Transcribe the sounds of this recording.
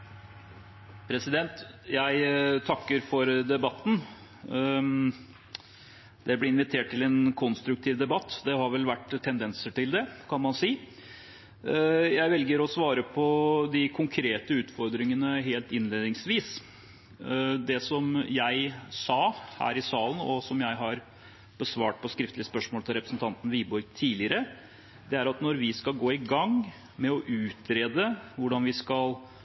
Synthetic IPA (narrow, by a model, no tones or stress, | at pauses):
pʰɾɛsɪd̪ɛnt̪jæɪt̪ʰɑkːəɾfɔɾd̪ɛbɑt̪ːn̩ | d̪̥ɛblɪɪnʋɪt̪ʰeːʈ̚t̪ɪlɛnkʰɔnst̪ɾʉkt̪ʰiːʋd̪ɛbɑt̪ːd̪ɛhɑɾʋɛlʋæʈːt̪ʰːɛnd̪ɛnsəʈɪld̪ɛkʰɑnmɑnsiː | jæɪʋɛlɡəɾɔsʋɑːɾəpʰɔd̪ɪkʰʊŋkʰɾeːt̪əʉːt̪fɔɾd̪ɾɪŋənəɦeːlt̪ɪnleːd̪ɪŋsʋiːs | d̪ɛsɔmjæɪsɑːhæ̰ːɾɪsɑːlənɔ̰sɔmjæɪɦɑɾ | b̥əsʋɑːʈ̚pʰɔskɾɪft̪lɪəspœʂmoːlt̪ʰɪlɾɛpɾəsn̩t̪ʰɑnt̪n̩ʋiːbɔɾɡt̪ʰiːlɪəɾə | d̪ɛæɾɑt̪nɔɾʋɪskɑlɡoːɪɡɑŋ | mɛɔʔʉːt̪ɾeːd̪əʋʊɖɑnʋɪskɑl